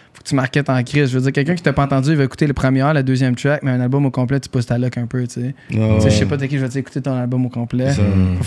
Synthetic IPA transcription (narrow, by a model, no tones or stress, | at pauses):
fo̥kə̥t͡symaʁkʲɛt̪ɑ̃kʁɪsʒəvød͡ziːʁkʲɛlkœ̃kʲit̪ɛpɔɑ̃t̪ɑ̃d͡zyilvaeku̥t̪eləpχəmjeʁœlad̪øːzjɛmt̪ɾak̚mɛɛ̃nalbɔmokɔ̃plɛt̪y̥pʊst̪alɔkœ̃pøt͡sseseʒsepɔd̪ɛkʲiʒəvɔieku̥t̪et̪ɔ̃nalbɔmokɔ̃plɛ